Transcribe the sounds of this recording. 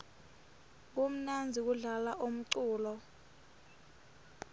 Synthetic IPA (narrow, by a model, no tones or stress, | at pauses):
k̬um̩nand͡zʱik̬uɮalaʔum̩ǀuːlɔ